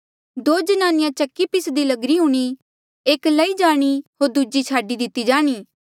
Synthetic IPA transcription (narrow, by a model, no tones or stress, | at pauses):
d̪oːd͡ʒɐnaːnɪjãt͡ʃɐkːipɪsd̪ilɐɡɾiɦũːɽ̃i | eːkləid͡ʒaːɽ̃iɦoːɾd̪uːd͡ʒit͡ʃʰaːɖid̪ɪt̪ːid͡ʒaːɽ̃iː